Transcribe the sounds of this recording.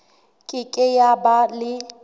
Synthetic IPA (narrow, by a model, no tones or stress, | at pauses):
kʼɪkʼɪjabalɪ